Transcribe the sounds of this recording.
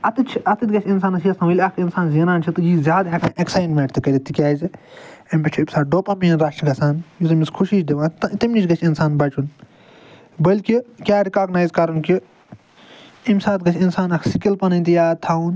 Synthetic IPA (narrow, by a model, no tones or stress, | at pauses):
ɐt̪it͡ʃʰʔɐt̪it̪ʲɡɐt͡ʃʰinsaːnɐsijɐsɐʋɐlʲɐkʰinsaːnzinaːnt͡ʃʰit̪ɨjiːzʲaːd̪ɦẽkʰãeksaːjnmʲeːʈt̪ikɐlʲit̪ikʲaːz | ɐmʲpɐt͡ʃʰuipʲsaːɖoːpamiːnɾaʃʈɡɐsaːnjut̪̬ɐmiskʰuʃiːʃd̪iʋãːt̪t̪ɐmnit͡ʃʰɡɐt͡ʃʰinsaːnbɐt͡ʃun | bɐlkikʲaːɾikaːɡnaːjzkɐɾunki | imsaːt̪ɡɐt͡ʃʰinsaːnɐkʰsikʲilpɐnɐnʲt̪ijaːt̪ʰaːun